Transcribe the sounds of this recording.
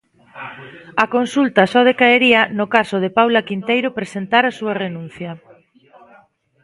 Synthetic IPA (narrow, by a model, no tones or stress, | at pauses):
akonsult̪asɔð̞ekaeɾiɐnokasoð̞epawlakint̪ejɾopɾesent̪aɾasuarenũn̟θjɐ